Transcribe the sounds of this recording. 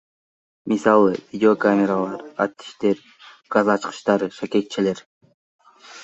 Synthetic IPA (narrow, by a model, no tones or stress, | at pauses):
misɑlˠɯvʲidʲɪo̞kamʲeɾalˠɑɾat̪ːi̥ʃt̪e̞ɾ | ɡ̥azɑt͡ʃqɯ̥ʃt̪ɑɾɯʃake̞k̚t͡ʃele̞ɾ